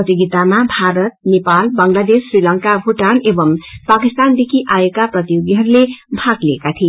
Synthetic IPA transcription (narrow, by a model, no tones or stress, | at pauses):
ʌt̪iɡit̪amabʱaɾʌt̪̚nepalbʌŋlad̪esːrilʌŋkabʱuʈanebʌmpakist̪and̪ekʰiʔajekaprʌt̪ijoɡiɦʌɾulebʱakleekat̪ʰi